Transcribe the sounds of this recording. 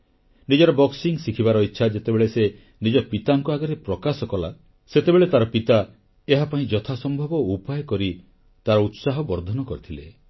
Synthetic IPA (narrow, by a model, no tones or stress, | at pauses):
nid͡ʒɔɾɔbɔksiŋsikʰibaɾɔitːʃʰad͡ʒet̪ebeɭese | nid͡ʒɔpit̪aŋkuaɡɔɾepɾɔkasɔkɔla | set̪ebeɭet̪aɾɔpit̪a | eɦapaĩd͡ʒɔt̪ʰasɔmbʱɔbɔupajɔkɔɾi | t̪aɾɔut̪saɦɔbɔɾd̪ʱɔnɔkɔɾit̪ʰile